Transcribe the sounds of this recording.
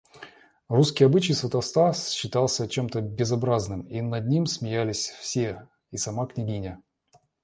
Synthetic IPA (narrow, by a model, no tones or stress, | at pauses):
ruskʲɪjɐbɨt͡ɕɪjsvʲət̪ɐst̪asɕːɪt̪ɑlˠsʲət͡ɕemt̪əbʲɪzɐbɾaznɨminɐd̪nʲimsmʲɪjælʲɪsʲfsʲe | isɐmaknʲɪɡʲinʲə